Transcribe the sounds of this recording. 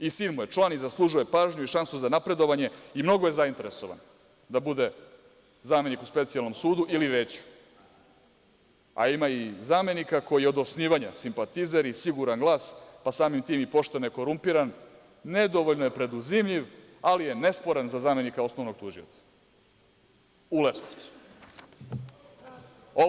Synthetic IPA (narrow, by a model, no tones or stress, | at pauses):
isiːnmujet͡ʂlˠanizaslˠuʒuje̞paːʒɲuiʃansuzanapɾe̞d̪o̞ʋaɲe̞imno̞ɡoje̞zaint̪e̞ɾeso̞ʋa̰n | d̪abud̪e̞ | zaːme̞nikuspe̞t̪sialno̞msuːd̪uʔiliɾeːt͡ɕu̥ | a̰imaizaːme̞nikako̞jijeo̞d̪osniːʋaɲasimpat̪izaɾisiɡuɾanɡlˠaːspasaːmimt̪iːmipo̞ʃt̪enjeko̞ɾumpiɾan | ned̪o̞ʋoʎnoje̞pɾe̞d̪uzimʎiʋ | alije̞ne̞spo̞ɾanzazame̞nikao̞snoʋno̞ɡ̚t̪uʒiot̪sḁ | uleskosu̥ | o